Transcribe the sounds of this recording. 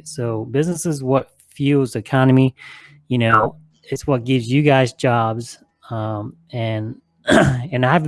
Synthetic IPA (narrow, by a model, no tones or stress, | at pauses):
soʊbɪznəsɨzwʌt | fjʉlˠzɨkʰɑnɨmi | jɨñoʊ | ɨtswʌt̚ɡ̥ɪvzjɨɡaɪzd͡ʒɑbz | ʌ̃m | ɨ̃n | ɨ̃naɪɨv